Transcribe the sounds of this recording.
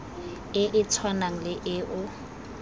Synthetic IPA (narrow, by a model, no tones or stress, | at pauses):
ɪʔɪt͡sʰwanaŋ̩lɪʔɪʔʊ